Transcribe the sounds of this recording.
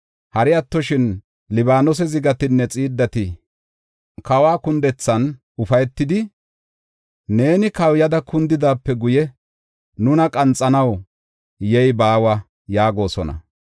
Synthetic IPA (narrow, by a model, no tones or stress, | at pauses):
hɐɾɪɐt̪ːɔʃɪn | lɪbaːnɔs̬ɛzɪɡɐt̪ɪnːɛt͡sʼiːd̪ːɐt̪ɪ | kɐwaːkʊnd̪ɛt͡sːɐn | ʊfɐjɛt̪ːɪd̪ɪ | ne̞ːnɪkɐwjɐd̪ɐkʊnd̪ɪd̪aːpːɛɡʊjɛ | nʊnɐkʼɐnt͡sʼːɐnɐw | jɛjbaːwɐ | jaːɡo̞ːsɔnɐ̰